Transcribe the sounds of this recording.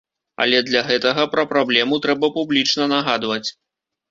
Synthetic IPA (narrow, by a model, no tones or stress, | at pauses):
ɐ̰lʲɛd̪lʲaɣɛt̪ɐɣɐpɾɐpɾablʲɛmut̪ɾɛbɐpublʲit͡ʂnɐnaɣad̪vɐt͡sʲ